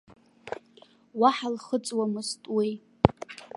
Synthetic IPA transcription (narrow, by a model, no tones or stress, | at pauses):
waħalχət͡sʼwamɨstʼwi